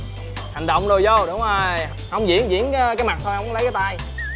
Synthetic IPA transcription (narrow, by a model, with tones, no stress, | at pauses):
ha˨˩jŋ̟ɗɔ̰˧˨wŋ͡mɗo˨˩jzo˧˩ɗʊ˨˦ŋ͡məː˨˩ | hə˧wŋ͡mzḭ˧˥ənzḭ˧˨˥ən˨˦kaː˦jma˨˩t̚t̪ʰo˧jhə˧wŋ͡mŋ͡mlə˨˦jkːaː˨˦jt̪a˧j